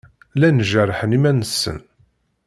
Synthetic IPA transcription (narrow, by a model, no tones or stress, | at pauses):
lænʒærˤħənimænəsːə̰n